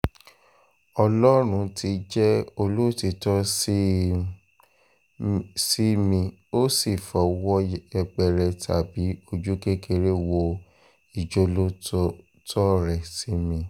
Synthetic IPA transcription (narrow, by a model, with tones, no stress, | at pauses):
ɔ˧lɔ˦ɾ̃ũ˧ti˧d͡ʒɛ˦o˧lo˦˨ti˧tɔ˦s | si˦mĩ˧o˦si˦˨fɔ˨wɔ˦ɛ˧ɡ͡bɛ˧˨ɾɛ˧tʰa˨bi˨˦o˧d͡ʒu˦ke˦kʰe˧ɾe˦wo˧ | i˨d͡ʒo˧˦lo˦ | tʰɔ˦ɾɛ˨si˨˦mĩ˧